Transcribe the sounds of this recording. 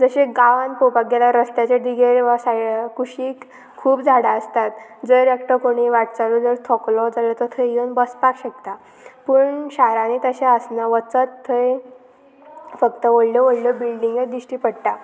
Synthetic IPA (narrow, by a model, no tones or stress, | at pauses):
d͡zəɕeɡaʋanpopaɡelaɾəst̪jat͡ɕed̪iɡʱeɾʋasakuɕiːk | kʰuːbd͡zʱaɽaəst̪at̪̚d͡zəɾekʈ̪əkoɽ̃iʋaʈ̚t͡salud͡zəɾt̪ʰɔklɔd͡zalət̪ət̪ʰəjonbəspakɕek̚t̪a | pəːɳɕaɾãnit̪əɕeəsnaʋət͡sət̪ʰːəj | fəkt̪əʋəɽləʋəɽləbilɖiŋɡəd̪iʂʈiːpəɽʈa